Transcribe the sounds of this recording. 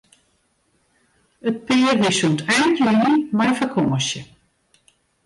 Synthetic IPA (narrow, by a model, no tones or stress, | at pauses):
ət̚pɪːrʋisuntʰaːnjynəmajfərkʰɔːəsjə